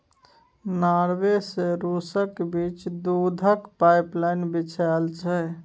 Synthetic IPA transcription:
naɾweseɾusəkbit͡ʃd̪ud̪ʱəkpajplajnbit͡ʃʰalt͡ʃʰɛ

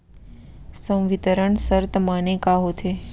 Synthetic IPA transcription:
sə̃w̃ʋit̪əɾəɳsəɾt̪əmanekaɦot̪ʰe

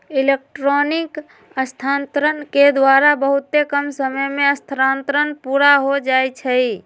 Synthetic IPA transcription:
ilek̚ʈɾonik | əst̪ʰant̪ɾənked̪waɾabəɦut̪ːekəmsəməjmeəst̪ʰəɾãnt̪ɾənpuɾaɦod͡ʒajt͡ʃʰəj

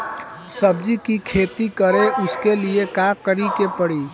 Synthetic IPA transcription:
səb̚d͡ʒikikʰeːt̪ikəɾeʔʊskeliekakəɾikepəɽi

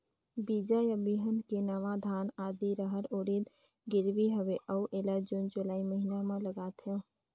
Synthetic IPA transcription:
bid͡ʒajabiɦənkenəʋad̪ʱaːnaːd̪iɾəɦəɾoːɽid̪ | ɡɪɾʋiɦəʋeʔəuʔeːlad͡ʒʊnd͡ʒʊlaːiməɦinamẽləɡat̪ʰeõ

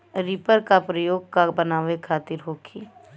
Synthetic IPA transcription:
ɾipəɾkapɾəjoːɡ̚kabənaːʋekʰaːt̪ɪɾɦoːkʰiː

